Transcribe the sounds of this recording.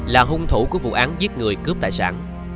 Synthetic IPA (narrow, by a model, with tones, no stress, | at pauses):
laː˨˩ɦʊ˧ŋ͡mt̪ʰṵ˧˩ku˧˩əvṵ˧˨ʔaː˨˦nzi˦˥ət̚ŋɨ˨˩əjkɨ˦˥əp̚t̪aː˧˨jsa̰ː˧˩n